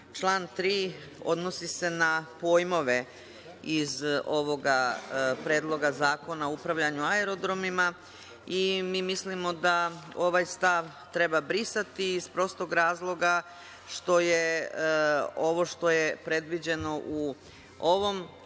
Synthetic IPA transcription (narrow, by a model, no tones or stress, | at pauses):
t͡ʃlˠaːnt̪ɾiː | o̞̰d̪no̞sise̞napo̞ːjmo̞ʋe̞ | izo̞ʋo̞ɡapɾe̞ːd̪lˠo̞ɡazaːko̞naoupɾaʋʎaɲuaeɾo̞d̪ɾo̞mima | imiːmislimo̞d̪ao̞ʋajst̪aʋ | t̪ɾe̞babɾisat̪iːspɾo̞st̪oɡɾaːzlˠo̞ɡa | ʃt̪o̞je̞ | o̞ʋo̞ʃt̪o̞je̞pɾe̞d̪ʋid͡ʑe̞no̞ʔu | o̞ʋo̞m